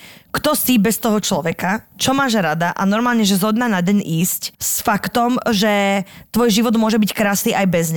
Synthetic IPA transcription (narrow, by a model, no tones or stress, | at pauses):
kt̪ɔsibɛst̪ɔɦɔt͡ʃlɔʋɛkat͡ʃɔmaːʒɾad̪aʔanɔɾmaːlɲɛʒɛzɦɔd̪naːnaɟɛɲiːscsfakt̪ɔmʒɛt̪ʋɔjʒiʋɔd̪mʊɔʒɛbickɾaːsniːʔajbɛzɲa